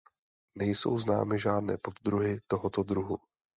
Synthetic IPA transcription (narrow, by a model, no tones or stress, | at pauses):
nɛjso̞̰wzna̰ːmɪʒaːdnɛːpo̞d̪d̪ɾuɦɪt̪oɦot̪o̞d̪ɾuɦu